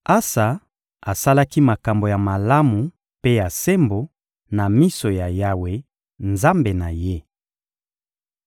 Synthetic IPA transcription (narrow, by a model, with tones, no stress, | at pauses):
a˦sa˨ | a˨sa˦la˦ki˦ma˨ka˨mbo˨ja˨ma˨la˦mu˨ | pe˦ja˨se˦mbo˨ | na˨mi˦so˨ja˨ja˦we˨ | nza˦mbe˨na˨je˦